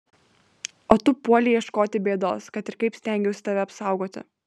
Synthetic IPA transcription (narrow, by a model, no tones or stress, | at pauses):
oːt̪ʊpuɔlʲɪiɛʃkoːt̪ʲɪbʲeːd̪o̰ːskɐt̪ɪɾkɐɪpsʲt̪ʲɛˑŋʲɡʲɛʊsʲɪt̪ɐʋʲɛɐpsɐˑʊɡoːt̪ʲɪ̰